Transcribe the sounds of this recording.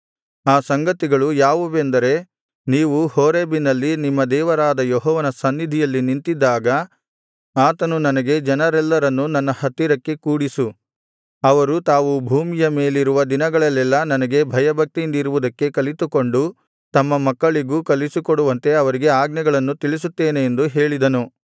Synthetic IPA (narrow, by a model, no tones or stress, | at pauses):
aːsɐŋɡɐt̪iɡɐɭujaːʋuʋend̪ɐɾe̞ | niːʋuhoːɾeːbinɐlːinimːɐd̪ɛːʋɐɾaːd̪ɐjɔɦɔːʋɐnɐsɐnːid̪ʱijɐlːinint̪id̪ːaːɡɐ | aːt̪ɐnunɐnɐɡe̞d͡ʒɐnɐɾɛlːɐɾɐnːunɐnːɐhɐt̪ːiɾɐkːe̞kuːɽisu | ɐʋɐɾut̪aːʋubʱuːmijɐme̞ːliɾuʋɐd̪inɐɡɐɭɐlːɛlːɐnɐnɐɡe̞bʱɐjɐbʱɐk̚t̪iind̪iɾuʋud̪ɐkːe̞kɐlit̪uko̞ɳɖu | t̪ɐmːɐmɐkːɐɭiɡukɐlisukoɽuʋɐnt̪e̞ɐʋɐɾiɡe̞aːɡnɛɡɐɭɐnːut̪iɭis̬ut̪ːeːneːnd̪uɦe̞ːɭid̪ɐnu